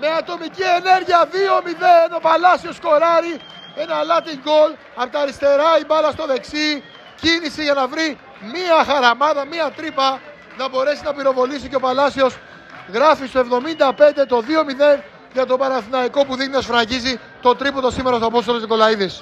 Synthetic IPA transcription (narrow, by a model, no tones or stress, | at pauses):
me̞ɐt̪o̞micie̞ne̞ɾʝiɐðio̞miðe̞no̞pɐlɐsio̞sko̞ɾɐɾi | e̞nɐlɐt̪iŋɡo̞l | ɐɾt̪ɐɾist̪e̞ɾɐibɐlɐst̪o̞ðe̞ksi | cinisiʝɐnɐvɾi | miɐxɐɾɐmɐðɐmiɐt̪ɾipɐ | nɐbo̞ɾe̞sinɐpiɾo̞vo̞lisiceo̞pɐlɐsio̞s | ɣɾɐfist̪o̞e̞vðo̞mind̪ɐpe̞nd̪e̞t̪o̞ðio̞miðe̞n | ʝɐt̪o̞pɐɾɐθinɐiko̞puðixninɐsfɾɐɲɟizi | t̪o̞t̪ɾipot̪osime̞ɾɐst̪oɐpo̞st̪oloziko̞lɐiðes